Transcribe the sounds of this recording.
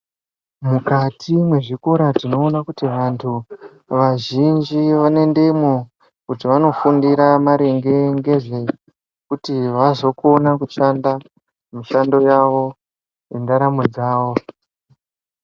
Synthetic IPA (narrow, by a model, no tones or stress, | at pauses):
mukatʰimwe̞ʐikoɾatino̞ːnakutiʋantʰu | ʋaʒind͡ʒiʋane̞nde̞imo | kutiʋano̞fundiɾamaɾe̞ŋɡe̞ŋɡe̞ʐe̞ | kutiʋazo̞ko̞nakuʃanda | miʃando̞jaʋo̞ | jendaɾamud͡zaːʋo̞